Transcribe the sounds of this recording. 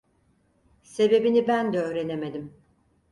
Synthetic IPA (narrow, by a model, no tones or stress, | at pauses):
se̞be̞binibænd̪ɛøːɾe̞ne̞me̞d̪im